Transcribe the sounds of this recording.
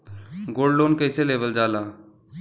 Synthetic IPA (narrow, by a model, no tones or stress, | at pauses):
ɡoːɖloːnkəɪseleːʋəld͡ʒaːlaː